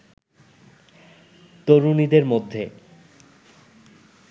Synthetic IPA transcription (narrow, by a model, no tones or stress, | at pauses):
t̪oɾunid̪eɾmod̪ʱːe